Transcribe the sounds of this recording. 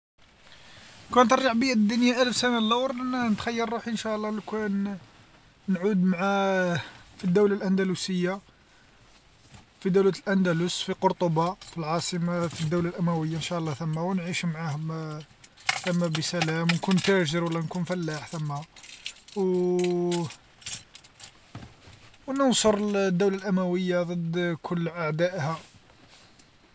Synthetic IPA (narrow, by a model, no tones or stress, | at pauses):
kænət̪ərˤːɑʕbəjːæd̪ːʊnjaʔælfsænalːɑwɾˤnət̪xæjːəɾˤːuħiʔənʃæʔlˤːɑlkæn | nʕud̪mʕa | fid̪ːuwlalʔænd̪ælusəjːa | fid̪æwlæt̪əlʔænd̪ælusfiqoɾt̪ˤobɑfilʕɑsˤəmafid̪ːuwlalʔæmæwəjːanʃæʔlˤːɑt̪əmːawnʕiʃmʕah | θəmːæbisælæmwnkunt̪æʒəɾwəlːænkunfælːaħt̪əmːa | w | wnənsoɾˤəld̪ːuwlalʔæmæwəjːad̪ˤəd̪kʰʊlːʔaʕd̪æʔhæ